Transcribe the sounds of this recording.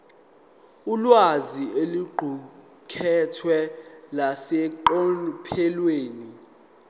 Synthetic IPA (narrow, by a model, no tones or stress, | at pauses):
ulwazieluɡ͡ǃʱu | kʰɛtʰwɛlasɛǃopʰɛlweːni